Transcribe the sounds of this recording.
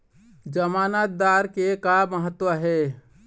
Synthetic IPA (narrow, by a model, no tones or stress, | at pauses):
d͡ʒəmaːnət̪̚d̪aːɾkekaməɦət̪wəɦɛ